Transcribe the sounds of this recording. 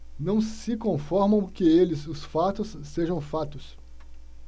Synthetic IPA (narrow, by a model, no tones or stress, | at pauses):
nɐ̃w̃sɪkõfɔɾmɐ̃w̃kɪelɪzʊsfat̪ʊsːeʒɐ̃w̃fat̪ʊs